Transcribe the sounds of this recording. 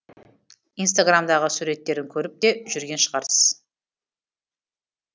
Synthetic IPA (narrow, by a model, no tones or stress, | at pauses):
ins̬t̪aɡramd̪ɑʁəsuɾe̞t̪ːe̞ɾɪŋkʲʰɵɾɪp̚t̪e̞ʒʏɾɡʲe̞nʃəʁɑɾsəz̥